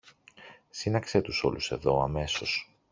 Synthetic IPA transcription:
sinɐkset̪uso̞̰luse̞ðo̞ɐme̞so̞s

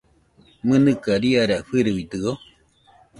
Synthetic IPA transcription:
mɨ̃nɨkaɾiaɾaɸɨɾɨβit̪ɨo

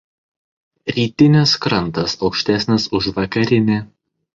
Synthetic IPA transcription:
ɾʲiːt̪ʲɪnʲɪskɾɐnˑt̪ɐsɒʊkʃʲt̪ʲæsʲnʲɪsʊʃʋɐkɐɾʲɪnʲe

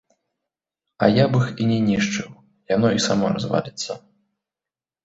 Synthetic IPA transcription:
ɐ̰jabɨxinʲɛnʲiʂt͡ʂɨw | janɔisamɔɾazva̰lʲit̪sːɐ

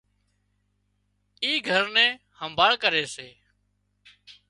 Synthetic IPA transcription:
iːɡʱəɾnɛ̃ː | həmbʱaːɭkəɾeːseː

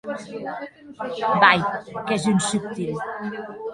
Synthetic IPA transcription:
bajkɛzunsup̚t̪il

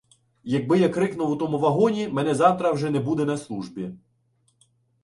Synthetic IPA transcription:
jɐɡ̚bɪjakɾɪknʊwʊt̪ɔmʊʋɐɦɔnʲimɛnɛzɑwt̪ɾɐwʒɛnɛbud̪ɛnɐslˠuʒbʲi

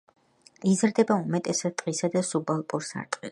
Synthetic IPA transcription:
izɾd̪ɛbaumɛt̪ʼɛsɾt̪ʼqʼisad̪asubalˠpʼuɾsa̰ɾt̪ʼqʼis

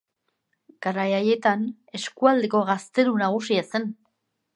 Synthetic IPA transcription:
ɡ̥aɾajaje̞t̪an | e̞skuald̪e̞ko̞ɣast̪e̞ɾunaɣ̞usiase̞n

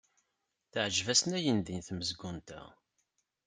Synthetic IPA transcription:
θəʕʒvæsnæjənd̪inθməzɡunt̪æ̰

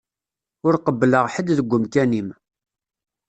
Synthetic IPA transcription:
ʊɾqəbːləʁħəd̪ðəɡʷːʊmkænim

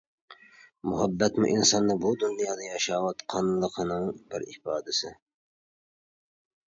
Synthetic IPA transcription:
mʊɦæbːɛt̪mʊ̰ʔinsɑnːɨbud̪unjɑːd̪ɑjɑʃɑːwɑt̪qʰɑnnlˠəqʰənɨŋbɪɾɪ̰fɑːd̪ɪsɪ

